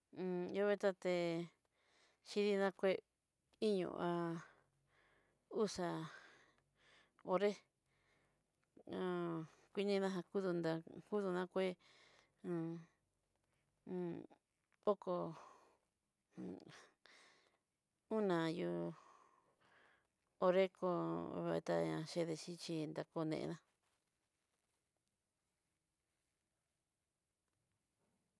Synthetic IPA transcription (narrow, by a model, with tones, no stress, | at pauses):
jo˦βe˦t̪a˦t̪e˧ | ʃi˧ði˧nã˦kʷe˦ | i˦ɲṵ̃˧˨ʔʔa˧ | u˦sa˨ | o˧ɾe˦ | ã˨kʷi˦nĩ˦nã˦ɦã˧ku˦ðu˧nd̪a˧ku˦ðu˧nã˦kʷẽ˦˧ | o˦ko˧ | ũ˦nã˨ju˧ | o˧ɾe˦ko˧βḛ˧t̪a̰˧ã̰˧ʃe˧ðe˧t͡ʃi˦t͡ʃi˧nd̪a˧ko˧nḛ̃˧ʔḛ˧ðã˦